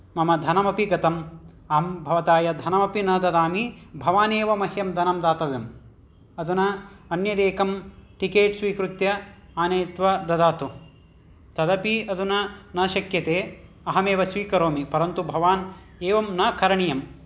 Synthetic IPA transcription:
mɐmɐd̪ʱɐnɐmɐpiɡɐt̪ɐm | ɐɦɐmbʱɐʋɐt̪aːjɐd̪ʱɐnɐmɐpinɐd̪ɐd̪aːmibʱɐʋaːneːʋɐmɐɦjɐmd̪ʱɐnɐmd̪aːt̪ɐʋjɐm | ɐd̪unɐɐnjɐd̪eːkɐmʈikeːʈsʋiːkɾut̪jɐ | aːneːt̪ʋɐd̪ɐd̪aːt̪u | t̪ɐd̪ɐpiɐd̪unɐnɐʃɐkjɐt̪eː | ɐɦɐmeːʋɐsʋiːkɐɾoːmipɐɾɐnt̪ubʱɐʋaːn | eːʋɐmnɐkʰɐɾɐɳijɐm

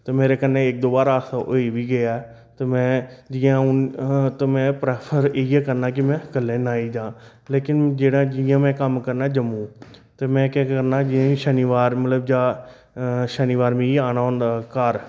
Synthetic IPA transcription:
t̪eːmeːɾeːkənːẽːɪk̚d̪oːbaːɾaːsaʔoːiʋiːɡəjaː | t̪eːmɛ̃ːd͡ʒɪjãːʊnt̪ːmɛ̃ːpɾɛːpʰəɾeːiɛːkəɾnaːk̬ɪmɛ̃ːkəlːẽːnaːiːd͡ʒãː | leːkɪnd͡ʒeːɽãːd͡ʒɪjãːmɛ̃ːkəmkəɾnaːd͡ʒəmũːt̪eːmɛ̃ːkɛːkəɾnaːd͡ʒɪãːĩʃəniːʋaːɾmət̪ləbd͡ʒaː | ʃəniːʋaːɾmĩaːnaõːnd̪akəɾ

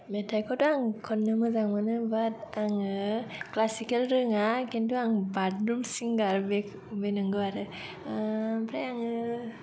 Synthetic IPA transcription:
metʰajkʰɔtuaŋkʰɔnnːɯmɯzaŋmanɯbat̚aŋɯklasikelɾɯŋakentuaŋbad̚dumsiŋɡaɾbe | benɯŋɡɯaɾɯ | pʰɾajaŋɯ

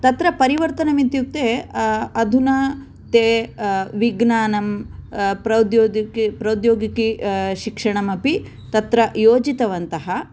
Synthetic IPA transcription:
t̪ɐt̪ɾɐpɐɾiʋɐɾt̪ɐnɐmint̪jut̪ːeɐd̪ʱunɐ | t̪eːʋiɡnaːnɐmpɾɐd̪joːkipɾɐwd̪joːɡikiʃikʂɐɳɐmɐpi | t̪ɐt̪ɾɐjoːd͡ʒit̪ɐʋɐnt̪ɐɦɐ

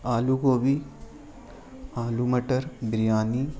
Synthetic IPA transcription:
aːluɡoːʋi | aːlumɐʈəɾbɾijaːni

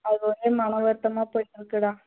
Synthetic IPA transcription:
ɐðɯʋɐnd̪emɐɳɐʋɐɾt̪ːɐmaːpɐnːiɾɯkːɐɽaː

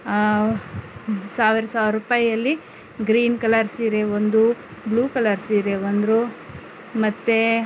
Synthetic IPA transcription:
saːʋiɾɐsaːʋɾupaːjijɐlːi | ɡɾiːnkɐlɐɾsiɾeond̪ubluːkɐlɐɾsiɾeond̪ɾu | mɐt̪ːe

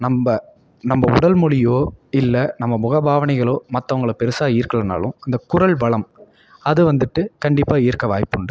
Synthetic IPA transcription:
nɐmbɐ | nɐmbɐʊ̰ɽɐlmʊɭɪjoːɪlːɐnɐmːɐmʊɣɐbʱaːʋɐnɪɣɐɭoːmɐt̪ːɐʋɐŋɡɐɭɐpɛɾɯsaːiːɾkɐɭɐna̰ːlʊ̰̃ɐɪnd̪ɐkʊɾɐɭʋɐɭɐm | ɐðɯʋɐnd̪ɯʈːɯkɐɳɖɪpːaːiːɾkɐʋaːjpːɯʊɳɖɯ

